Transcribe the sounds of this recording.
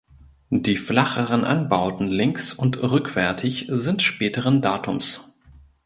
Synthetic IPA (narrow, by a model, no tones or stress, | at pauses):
d̥iːflaχəʁənʔa̰nbaʊtn̩lɪŋksʊntʁʏkv̥ɛɐtʰɪçzɪntʃpɛːtəʁəndaːtʰʊms